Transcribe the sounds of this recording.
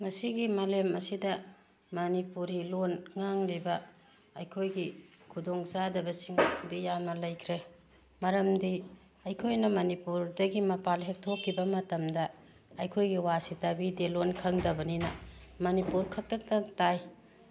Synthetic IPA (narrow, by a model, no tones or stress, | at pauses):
mɐsiɡimɐlemɐsidɐ | mɐnipuɾilonŋaŋlibɐ | ɐjkʰojɡikʰudoŋzadɐbɐsiŋdijamnɐlɐjkʰɾe | mɐɾɐmdi | ɐjkʰojnɐmɐnipuɾdɐɡimɐpalɦek̚tʰokʰːibɐmɐtɐmdɐ | ɐjkʰojɡiwasitɐbidelonkʰɐŋdɐbɐninɐmɐnipuɾkʰɐk̚tɐk̚tɐtaj